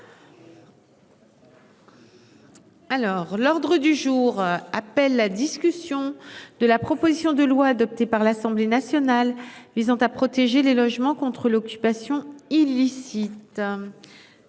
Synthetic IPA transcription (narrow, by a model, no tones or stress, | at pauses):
alɔʁlɔʁd̪ʁəd̪yʒuːʁapɛlːad̪iskʲysjɔ̃d̪̥əlapχɔpozisjɔ̃d̪əlwaːd̪ɔp̚t̪epaʁlasɑ̃blenasjɔnalvizɑ̃t̪apχɔt̪eʒelelɔʒmɑ̃kɔ̃t̪χəlɔkʲypasjɔ̃ilːisit̪